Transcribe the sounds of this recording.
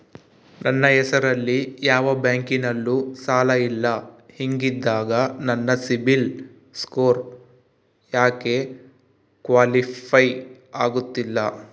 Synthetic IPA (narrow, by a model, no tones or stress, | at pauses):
nɐnːɐɛsɐɾɐlːijaːʋɐbjaːŋkinɐlːusaːlɐilːɐhiŋɡid̪ːaːɡɐnɐnːɐsibil | skoːɾ | jaːke̞ | kʋaːlipʰɐj | aːɡut̪ːilːɐ